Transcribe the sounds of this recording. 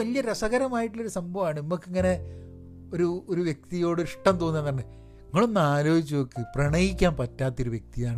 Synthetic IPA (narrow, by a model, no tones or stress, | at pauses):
ɐlijɐɾɐʂɐɣɐɾɐmaːjiʈːiloɾusɐmbʱɐʋaːɳɨnimːokːiŋːɐne̞ | oɾuoɾuʋjek̚t̪ijo̞ːɽɨiʂʈɐmt̪o̞ːnːenːaːɳɨ | iŋːɐɭunːaːloːɡit͡ɕːuʋokːɨprɐɳɐjikʲːaːnpɐtːaːt̪ːoɾuʋjek̚t̪ijaːɳɨ